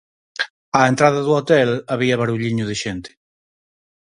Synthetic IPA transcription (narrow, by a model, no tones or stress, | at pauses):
aent̪ɾaðaðuot̪ɛlaβiaβaɾuʎiɲʊðeʃent̪e̥